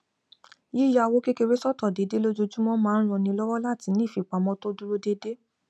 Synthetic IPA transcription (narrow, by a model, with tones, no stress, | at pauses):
ji˦ja˧wo˦ke˦ke˧ɾe˦sɔ˦˨tɔ˦˨de˨de˦lo˦d͡ʒo˧d͡ʒu˦mɔ̃˦mãː˦˧n̩˦ɾ̃ɔ̃˧nĩ˧lɔ˦wɔ˦la˦˨ti˨˦nĩ˦˨fi˨˧˨k͡pa˨mɔ̃˦to˦du˦ɾo˦de˦de˦